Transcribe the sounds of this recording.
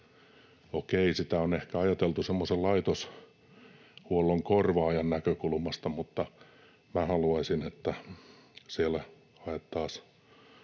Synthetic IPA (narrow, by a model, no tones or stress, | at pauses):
okeisit̪æonehkæɑjɑt̪elt̪usemːosellɑit̪os | huolːoŋkorʋɑɑjɑnnækøkulmɑst̪ɑmut̪ːɑ | mæhɑluɑisinet̪ːæ | sielæ | ɑet̪ːɑːs